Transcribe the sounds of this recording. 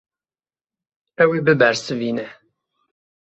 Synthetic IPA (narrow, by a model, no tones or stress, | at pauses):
æwibəbəɾsvinəħ